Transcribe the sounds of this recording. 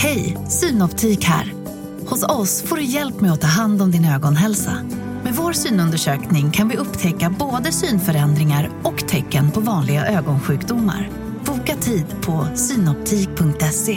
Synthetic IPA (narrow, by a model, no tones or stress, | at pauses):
hɛjsyːnɔpt̪ʰiːkhæ̰ːɾ | hʊsɔsfoːɖɵjɛlpmɛjɔt̪ʰːɑːɦand̪ɔmd̪ɪnøːɡɔnɦɛlsa̰ | mɛvoːɾsyːnɵnd̪əʂøːknɪŋkʰanvɪʔɵpːt̪ʰɛkːaboːd̪əsyːnfœɾɛnd̪ɾɪŋaɾɔkt̪ʰɛkːənpʰɔvɑːnlɪɡaʔøːɡɔnɧʉ̟ːkd̪ʊmːa̰ɾ | b̥uːkat̪ʰiːd̪pʰɔsyːnɔp̚t̪ʰiːk̚pʰɵŋk̚t̪ɛse